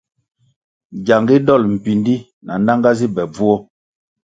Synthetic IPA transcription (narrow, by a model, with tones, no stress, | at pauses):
ɟa˨ŋɡi˦dɔ˦˨lm̩˨pi˨ndi˦ | na˨n˦da˦ŋɡa˦zi˦bɛ˨b͡vu˦ɔ˦